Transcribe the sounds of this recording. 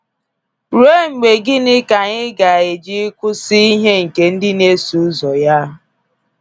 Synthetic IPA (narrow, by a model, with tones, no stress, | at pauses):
ɾu˦e˦ŋ͡m̩˨ɡ͡be˨ɡɪ˦nɪ˦ka˨ɲɪ˦ɡa˨e˨d͡ʒi˦kʷʊ˦si˦i˦ɦe˦ŋ̩˨ke˨n̩˦dɪ˦ne˦su˦zɔ˨ja˦ɦ